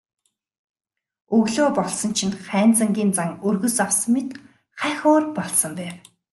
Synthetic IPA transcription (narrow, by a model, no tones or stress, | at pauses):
ɵɣɮoːpɔɮsɞ̆nt͡ɕʰĭnχæːnt͡sə̆ŋɡʲiːmt͡saŋɵrɣɵ̆saws̆met̪ | χæxoːrpɔɮsɞ̆mpæːw